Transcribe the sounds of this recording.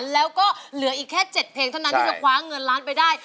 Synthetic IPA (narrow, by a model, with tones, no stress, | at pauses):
nlɛː˦˥wkɔː˥˩lɯ˨˩˦ɐʔiː˨˩kʰːɛː˥˩t͡ɕe˨˩t̪̚pʰeː˧ŋt̪ʰa˥˩n˦nʰaː˥˩t͡ɕkʰwaː˦˥ŋɤ˧nlaː˦˥npa˧jdaː˥˩j